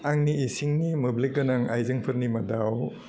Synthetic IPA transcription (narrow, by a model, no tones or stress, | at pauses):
aŋniːsiŋnimublik̚ɡɐnaŋajzɯŋpʰɯɾnimɐdaw